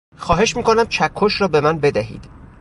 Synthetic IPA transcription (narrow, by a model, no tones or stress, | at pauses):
xɒːɦe̞ʃmiːkʰo̞næmt͡ʃʰækʰːoʃɾɒːbe̞mænbe̞d̪æɦḭːd̪̥